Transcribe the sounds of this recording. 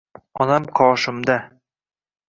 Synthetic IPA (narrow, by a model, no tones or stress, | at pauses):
ɒnamqʰɒːʃɪmd̪a